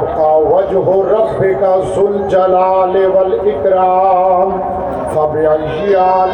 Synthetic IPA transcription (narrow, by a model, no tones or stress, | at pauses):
kaːʋɐd͡ʒɦoɾɐbːɪkazʊld͡ʒɐlaːleʋɐlɪkɾaːm | xɐbjɐl | iaː